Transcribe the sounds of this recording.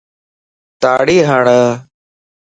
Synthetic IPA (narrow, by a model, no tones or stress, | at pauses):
t̪aːɽiːɦaːɳə